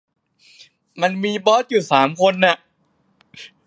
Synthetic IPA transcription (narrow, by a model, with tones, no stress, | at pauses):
ma˧nmiː˧bɔ˦˥t̚juː˨˩saː˩˦mkʰo˧nːa˨˩ʔ